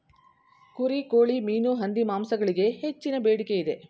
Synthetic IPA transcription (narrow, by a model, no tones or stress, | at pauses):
kuɾikoːɭimiːnuɦɐnd̪imaːmsɐɡɐɭiɡe̞het͡ʃːinɐbeːɽike̞id̪e̞